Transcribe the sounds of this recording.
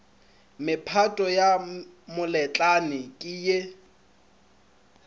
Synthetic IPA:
mɪpʰatʼɔjamʊlɛt͡ɬʼanɪkʼɪje

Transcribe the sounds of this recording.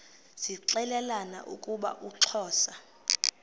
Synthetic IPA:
z̥iǁɛlɛlana̰ʔukʼuɓa̰ʔuǁʰɔːsa

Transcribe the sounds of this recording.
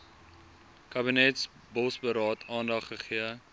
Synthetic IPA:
kɐbinɛts | bɔsbəɾɑːtʰɑːndɐχːəχiə

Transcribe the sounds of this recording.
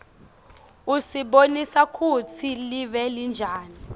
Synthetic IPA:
usiɓonisakʰut͡sʰiliɓɛlind͡ʒʱaːni

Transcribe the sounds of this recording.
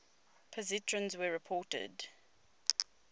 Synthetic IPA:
pʰəzitʰɹə̃nzwəɹɪpʰɔːˑtə̰d

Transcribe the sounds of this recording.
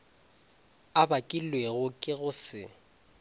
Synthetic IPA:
abakʼilweɣʊkʼɪɣʊsɪ̰

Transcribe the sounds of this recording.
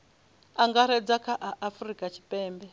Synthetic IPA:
aŋɡaɾɛd͡zakʰaʔaʔafurikʼat͡ʃʰi̥pʼɛːmbɛ

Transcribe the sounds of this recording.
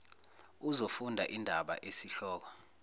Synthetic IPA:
uzofundʱa̰ʔindʱaɓa̰ʔesiɬɔːk̬ɔ

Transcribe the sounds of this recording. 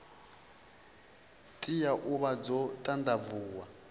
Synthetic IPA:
tʼijaʔuβad͡zɔtʼand̪avuːwa

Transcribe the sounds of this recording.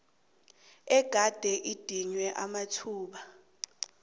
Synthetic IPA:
ɛɡ̥ʱad̥ʱɛʔid̥ʱiɲwɛʔamatʰuːɓa

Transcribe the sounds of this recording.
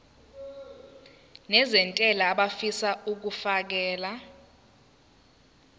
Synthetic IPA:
nɛzɛntʼɛlaːɓafisaʔuk̬ufak̬ɛːla

